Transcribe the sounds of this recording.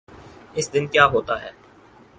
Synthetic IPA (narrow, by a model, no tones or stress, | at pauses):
ɪsd̪ɪnkjaːɦoːt̪aɦɛː